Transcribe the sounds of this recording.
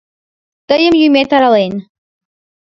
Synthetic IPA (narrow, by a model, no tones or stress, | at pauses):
t̪əjəmjumʲet̪aɾalen